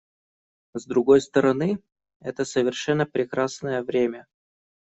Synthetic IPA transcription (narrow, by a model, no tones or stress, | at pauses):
zd̪ɾʊɡo̞jst̪əɾɐnɨ | ɛt̪əsəvʲɪrʂɛnːəpɾʲɪkɾasnəjəvɾʲemʲə